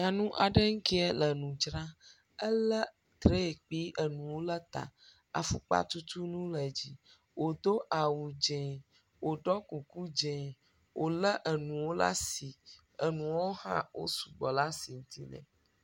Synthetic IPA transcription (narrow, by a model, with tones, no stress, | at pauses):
ɲa˨nũ˦ʔa˨ɖə˦ŋ̩˦ki˦ɛ˦lə˨nũ˨d͡ʒɾã˦ | ə˦lə˦ | t̪ɾe˦e˨k͡pi˦ʔə˨nũ˨wo˦lə˦t̪a̰˨ | a̰˨fṵ˨k͡pa̰˦t̪u˦t̪u˦nũ˦lə˨d͡ʑi˦ | wo˨d̪o˦ʔa˨wu˨d͡ʒɛ̃˨ | wo˨ɖɔ˦ku˨ku˦d͡ʒɛ̃˨ | wʔo˨lə˦ʔə˨nũ˨wo˦la̰˦si˨ | ə˨nũ˨wo˦hã̰˦wo̰˦su˨ɡ͡bɔ˨la˦si˨ŋ̩˦t̪i˦nɛ̰̃˨